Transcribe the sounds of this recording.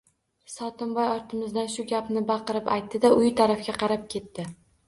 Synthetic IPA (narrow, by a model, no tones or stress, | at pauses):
sɒt̪ʰɪmbɒjɒɾt̪ʰɪmɪzd̪anʃʊɡʲapnɪbɑqɨɾɪpajt̪ːɪd̪aʔʊjɪt̪ʰaɾafɡʲaqʰɑɾap̚kʲʰe̞t̪ːɪ